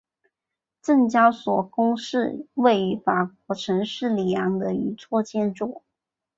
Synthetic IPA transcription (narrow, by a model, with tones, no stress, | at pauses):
ʈ͡ʂɤ˥˩ŋt͡ɕjɑ˥ʊswɔ˨˩kʊ˥ŋʂɻ̩˥˧we˥˩ɪ˧˥fa˨˩k̚wɔ˧˥ʈ͡ʂʰɤ˧˥ŋʂɻ̩˥˩li˨˩jɑ˧˥ŋd̪ə˧y˧˥t͡sʰwɔ˥˧t͡ɕjɛ˥˧nʈ͡ʂu˥˩